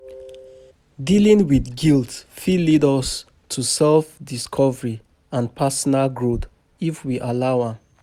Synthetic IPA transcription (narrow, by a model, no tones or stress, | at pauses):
dilĩŋwiθɡiltfilidɔs | tʰusɛlfdiskʰɔvəɹi | ãnpʰasɔnalɡɹot | ifwiʔalaʊãm